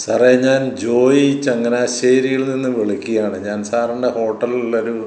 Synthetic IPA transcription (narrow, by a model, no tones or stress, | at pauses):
sɐrɐjɐɲaːnd͡ʑo̞ːjit͡ɕːɐŋːɐnaaɕeːɾijilninːɨʋeɭikʲːijaːɳɨɲaːnsaːrɐɳɖeho̞ːʈːɐlulːɐoɾu